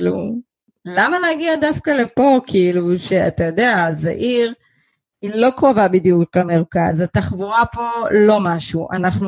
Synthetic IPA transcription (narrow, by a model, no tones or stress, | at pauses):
lṵ | lamaleaɡiadafkalepo̞kʰiːluʃe̞a̰tajo̞d̪eaza̰ʔiʁ | inlo̞kʁo̞vabid̪ijuklemeʁkazat̪aχvuʁapo̞lo̞maʃuʔa̰naχnu